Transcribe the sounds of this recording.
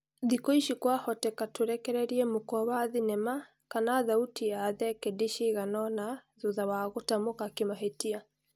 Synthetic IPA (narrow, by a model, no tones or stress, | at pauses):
ðikoiʃikwahɔtɛkatoɾɛkɛɾɛɾiɛmokɔβaðinɛma | kanaðautiaðɛkediʃiɣanɔnaðoðawaɣotamokakemaɦetia